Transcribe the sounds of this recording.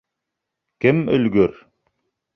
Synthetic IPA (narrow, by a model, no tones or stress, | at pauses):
kɘmɵ̆lɡɵɾ